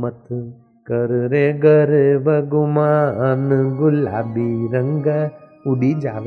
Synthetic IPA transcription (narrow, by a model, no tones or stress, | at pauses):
mɐt̪ɨ | kɐɾɾeɡɐɾeʋɐɡumaɐnɨɡula̰ːbiɾɐŋɡɐ | uɽid͡ʒaːʋ